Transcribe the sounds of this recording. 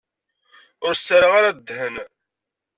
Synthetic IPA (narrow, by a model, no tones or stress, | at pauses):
ʊɾsːəɾaʁaɾad̪ːhən